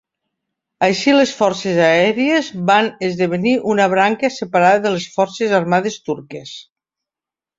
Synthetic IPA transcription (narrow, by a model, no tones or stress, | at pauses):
əjʃilesfɔɾsezaɛɾiezβanezðəβ̞əniʔunəβɾaŋkəsəpaɾaðəðəlesfɔɾsezaɾmaðest̪uɾkes